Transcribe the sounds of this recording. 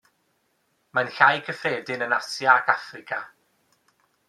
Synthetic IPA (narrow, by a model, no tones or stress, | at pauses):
manɬajkʰəfreːdɪnənasjaːkʰafrɪkʰa